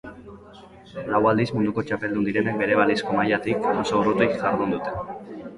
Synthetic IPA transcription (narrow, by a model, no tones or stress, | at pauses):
lawald̪izmund̪uko̞t͡ʃape̞ld̪und̪iɾe̞nek̚be̞ɾe̞β̞alisko̞majat̪ikoso̞urut̪ujkʝaɾðund̪ut̪e̞